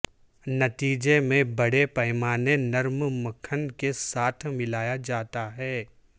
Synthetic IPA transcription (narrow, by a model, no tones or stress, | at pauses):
nɐt̪iːd͡ʒemẽbɐɽepɐːmaːnenɐɾmməkʰənkesaːt̪ʰmɪlaːjad͡ʒaːt̪aɦɛː